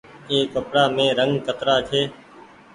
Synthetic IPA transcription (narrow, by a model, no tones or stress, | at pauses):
eːkəpɽaːmẽːɾəŋɡkət̪ɾaːt͡ʃʰeː